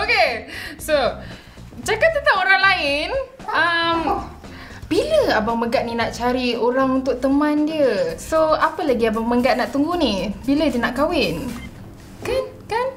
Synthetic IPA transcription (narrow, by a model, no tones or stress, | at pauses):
okeso | d͡ʒakap̚t̪ət̪aoɾaŋlaɪn | əm | b̥iləabaŋməɡat̪̚ninaʔt͡ʃaɾioɾaŋunt̪ʊk̚t̪əmãndiəsoapəlaɡiabaŋməɡat̪̚naʔt̪uŋɡunibilədiənaʔkawɪn | kan | kan